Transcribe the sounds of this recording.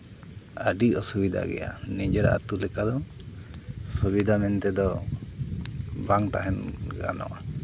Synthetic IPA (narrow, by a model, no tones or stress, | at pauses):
əɖiɔsubid̪ʱa̰ɡɛ̰ja̰nid͡ʒɛɾa̰ʔa̰t̪ulɛkad̪ɔ | subid̪ʱamɛnt̪ɛd̪ɔ | baŋt̪aɦɛnɡa̰nɔ̰ʔa